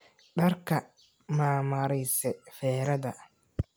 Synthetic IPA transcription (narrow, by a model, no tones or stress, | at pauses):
ɖɐrkʰɐ | maːmɐɾɛjsɛfɛːɾɐðɐ